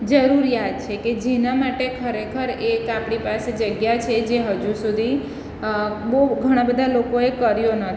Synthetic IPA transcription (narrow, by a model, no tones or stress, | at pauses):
d͡ʒəɾuɾijad̪̚t͡ʃʰeked͡ʒenamaʈekʰəɾekʰəɾekapɽ̃ipased͡ʒəɡjat͡ʃʰed͡ʒeɦəd͡ʒusud̪ʱi | bouɡʱəɽ̃ãbəd̪ʱalokoekəɾjonət̪ʰ